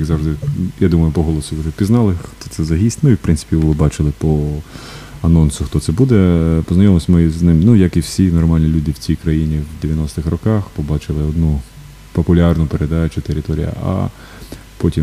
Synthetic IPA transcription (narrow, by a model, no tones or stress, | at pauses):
jɐɡzɑwʐd̪ɪjad̪umɐjʊpɔɦɔlˠɔsʊjuʒɛpʲiznɑlˠɪxt̪ɔt̪sɛzɐɦʲisʲtʲmɪwpɾʔɪnsɪ̥pʲiʋlˠɪbɑt͡ʃɪlˠɪpɔ | ɐnɔnsʊxt̪ɔt̪sɛbud̪ɛpɔznɐjɔmsʲmɪznɪmnujɐkiwsʲinɔrmɑlʲnʲilʲud̪ɪwt͡sʲijkɾɐjinʲiwd̪eʋʲjɐnɔst̪ɪxɾɔkɑxpɔbɑt͡ʃɪlˠɪɔd̪nu | pɔpʊlʲɑrnʊpeɾed̪ɑt͡ʃʊt̪eɾɪt̪ɔɾʲḭjɐ̰a̰ | pɔtʲim